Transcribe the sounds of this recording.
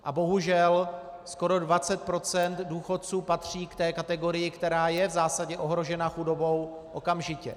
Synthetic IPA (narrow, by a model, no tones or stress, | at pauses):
ʔabo̞ɦuʒɛl | sko̞ɾo̞dvat͡sɛt̪̚pɾo̞t͡sɛnt̪duːxo̞t̪̚t͡suːpat̪r̝̥iːkt̪ɛːkat̪ɛɡo̞ɾɪjɪkt̪ɛɾaːjɛvzaːsaɟɛʔo̞ɦɾo̞ʒɛnaxudo̞bo̞w | ʔo̞kamʒɪcɛ̰